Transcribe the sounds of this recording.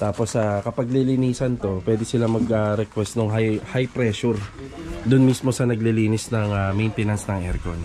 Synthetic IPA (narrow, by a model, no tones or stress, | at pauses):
t̪aːposakɐpɐɡ̚lɪlɪniːsɐnt̪o̞pwɛːd̪ɪsɪlamɐɡaɾɛkwɛst̪noŋɦajhajpɾɛːʃʊɾ | d̪ʊnmismo̞sɐnɐɡlɪliːnɪsnɐŋamɛjnt̪ɛnɐnsnɐŋʔɛɾkon